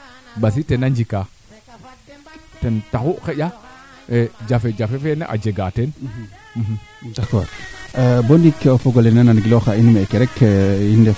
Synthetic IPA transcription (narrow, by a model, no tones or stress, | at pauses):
bas̬itenand͡ʒika | tentakukeja | ed͡ʒafed͡ʒafefenḛʔa̰d͡ʒeɡaten | m̩ɦ̩dako̰ɾ | bondikofoɡolenenanɡiloxainmekeɾɛkinde